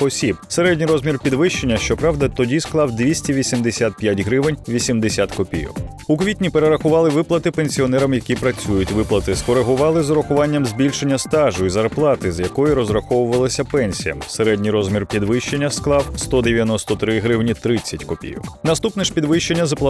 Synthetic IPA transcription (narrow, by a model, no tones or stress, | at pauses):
ɔsʲibseɾɛdʲnʲijɾɔzmʲirpʲid̪ʋɪʃt͡ʃe̞nʲːɐʃt͡ʃɔpɾɑʋd̪ɐt̪ɔdʲisklˠɑwd̪ʲʋʲisʲtʲiʋʲisʲimd̪esʲat̪̚pʲjatʲɦɾɪʋɪnʲʋʲisʲimd̪esʲat̪kɔpʲḭjɔ̰k | ukʋʲit̪ʲnʲipeɾeɾɐxʊʋɑlˠɪʋɪplˠɐt̪ɪpenʲsʲiɔnɛɾɐmjɐkʲipɾɐt͡sʲujʊtʲʋɪplˠɐt̪ɪskɔɾeɦʊʋɑlˠɪzɔɾɔxʊʋɑnʲːɐmzʲbʲilʲʃenʲːɐst̪ɑʒʊizɐrplˠɑt̪ɪzjɐkɔjiɾɔzɾɐxɔʋʊʋɐlˠɐsʲɐpɛnʲsʲijɐ̰mseɾɛdʲnʲijɾɔzmʲirpʲid̪ʋɪʃt͡ʃe̞nʲːɐsklˠɑwst̪ɔd̪eʋʲjɐnɔst̪ɔt̪ɾɪɦɾɪwnʲit̪ɾɪt͡sʲːɐtʲkɔpʲḭjɔ̰knɐst̪upnɛʃpʲid̪ʋɪʃt͡ʃe̞nʲːɐzɐplˠɐ